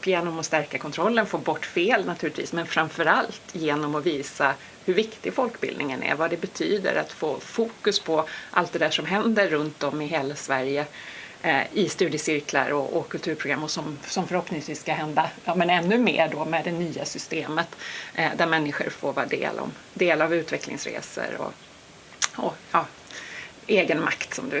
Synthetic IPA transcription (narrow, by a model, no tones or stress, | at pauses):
pjeːnɔmɔst̪æɾkakʰɔnt̪ʰɾɔlːənfoːbɔʈːfeːlnat̪ʰʉ̟ɾlɪt̪vḭːsmɛnfɾaɱfœɾalt̪ʰjeːnɔmɔviːsa | hɵvɪkt̪ɪɡfɔlkbɪ̰ld̪nɪŋənæ̰ɾvad̪ɛbɛt̪ʰyːd̪ə̰ɾa̰t̪foːfuːkɵspʰɔʔa̰lt̪̚d̪ɛd̪æːʂɔmɦɛnd̪əɾːɵnt̪ɔmːɪɦeːlasvæɾjə | ɪst̪ʉ̟ːd̪ɪəsɪɾkla̰ɾɔʔɔkʰɵlt̪ʰʉ̟ːɾpʰɾʊɡɾamːɔsɔmsɔmfœɾhɔpnɪŋsviːsːkaɦɛnd̪aɑːmɛnɛnːɵmḛːɖoːmɛd̪ɛnyːasʏst̪eːmət̪d̪æɾmɛnːɪɧə̰ɾfoːɾvɑːad̪ḛːlɔ̰m | d̪eːlavʉ̟ːt̪vɛklɪ̰ŋsɾḛːsə̰ɾɔ̰ | ɔjɑː | eːɡənma̰kt̪sɔmd̪ɵ